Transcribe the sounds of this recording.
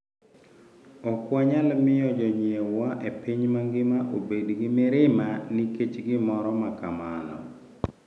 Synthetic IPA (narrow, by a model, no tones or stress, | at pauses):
ɔkwaɲalmɪjɔd͡ʒɔɲiewaʔepiɲmaŋɡɪmaʔobedɡɪmɪɾɪmanɪket͡ʃɡɪmɔɾɔmakamalɔ̰